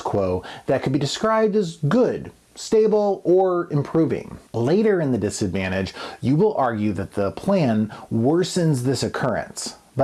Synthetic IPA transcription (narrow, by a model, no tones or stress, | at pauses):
kʰw̥oʊðɨt̚kʰɨd̚bidɨskɹaɪb̚dɨzɡʊd̥ | steɪbl̩ˠə˞ɨ̃mpʰɹ̥ʉvɪ̰̃ŋleɪɾə˞ɨ̃nðɨdɪsɨdvæ̃ɾ̃ɨd͡ʒjɨwɪlˠʔɑɹɡjʉðɨt̪̚ðəpʰl̥æ̃nwɜ˞sɨ̃nzðɪsɨkʰɜ˞ɨ̰̃ns | b̥ʌ